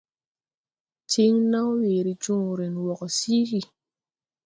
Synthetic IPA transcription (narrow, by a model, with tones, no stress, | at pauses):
t͡ʃi˦ŋna˦wwe˨ɾi˨t͡ʃu˦ŋu˨ɾe˨nwɔ˨kɔ˨si˦hi˨